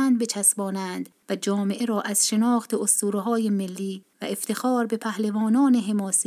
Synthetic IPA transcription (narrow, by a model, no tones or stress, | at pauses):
ænd̪bet͡ʃʰæsbɒːnænd̪væd͡ʒɒːme̞ʔeɾɒːʔæz̥ʃe̞nɒːxt̪ʰe̞ost̪uːɾɦɒːjemelːiːvæ̰ʔeft̪ʰe̞xɒːɾbe̞pʰæhlevɒːnɒːneɦe̞mɒːse